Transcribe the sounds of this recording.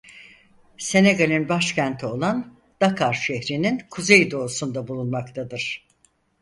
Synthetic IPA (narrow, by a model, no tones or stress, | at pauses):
se̞neɡalʲinbaʃcænt̪ʰio̞lˠan | d̪̥akʰaɾʃɛçɾininkʰuze̞jid̪o̞ːsund̪abulˠunmakt̪ʰad̪ɯɾ̥